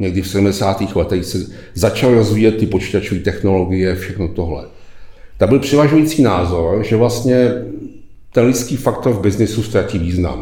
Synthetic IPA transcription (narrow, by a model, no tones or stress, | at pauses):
ɲɛɡdɪfsɛdumdɛsaːt̪iːxlɛt̪ɛxsɛ | zat͡ʃalɾo̞zviːjɛt̪̚ːɪpot͡ʃi̥ːt̪at͡ʃoviːt̪ɛxno̞lo̞ɡɪjɛfʃɛxnot̪o̞ɦlɛ̰ | t̪abɪlpr̥ɛvaʒujiːt͡siːnaːzo̞ɾʒɛvlast̪ɲɛ | t̪ɛnlɪt͡skiːfakt̪o̞ɾvbɪznɪsust̪ɾaciːviːzna̰m